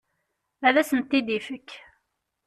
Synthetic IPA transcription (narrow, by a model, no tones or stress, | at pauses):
æðæsənt̪ːid̪ifəkː